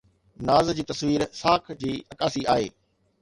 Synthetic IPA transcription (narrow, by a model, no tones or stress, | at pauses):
naːzd͡ʑiːt̪ɐsʋiːɾsaːkʰd͡ʑiːɐkaːsia̰ːɦḛː